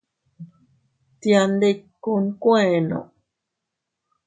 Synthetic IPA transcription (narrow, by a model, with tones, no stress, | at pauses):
t̪ia˧nd̪e˧kːu˧nkwẽ˦˧no̰˨